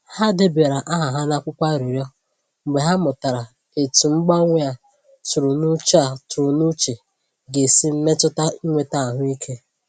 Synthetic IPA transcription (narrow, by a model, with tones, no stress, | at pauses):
ha˦de˦be˨ɾa˨ʔa˦ɦa˨ɦa˦na˦kʷʊ˦kʷa˦˨ɾi˨ɾjɔ˦ | ŋ͡m̩˨ɡ͡be˨ɦa˦mʊ˨ta˨ɾa˨ | e˨tu˨ŋ͡m̩˦ɡ͡ba˦ŋʷe˦a˨ | tʊ˨ɾʊ˨nu˦t͡ʃa˨tʊ˨ɾʊ˨nu˦t͡ʃe˨ | ɡe˨si˦m̩˦me˦tʊ˦ta˦i˦ŋʷe˨ta˦˨ɦʊ˦i˦kʰe˦